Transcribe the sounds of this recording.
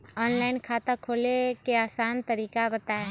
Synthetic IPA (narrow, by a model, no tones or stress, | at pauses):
ɔːnlaːɪnkʰaːt̪akʰoːlekeaːsaːnt̪ɐɾiːkabɐt̪aɦɛː